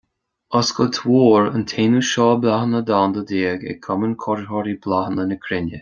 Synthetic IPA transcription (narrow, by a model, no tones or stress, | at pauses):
əsɡɔt̪ʰwoːɹə̰nt̪ʰeːnuʃɔːblahənəd̪and̪əd̪eːɡɛ̰kʰɔmənkʰɔɾəɦɔɾiblahnənəkʰɾɪnjə̰